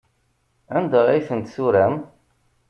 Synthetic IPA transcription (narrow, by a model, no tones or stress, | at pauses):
ænd̪æijθənt̪suɾæm